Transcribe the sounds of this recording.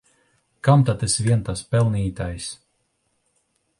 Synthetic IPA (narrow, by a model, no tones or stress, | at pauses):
kamt̪at̪ɛsvʲiɛnt̪aspɛlˠniːt̪ajs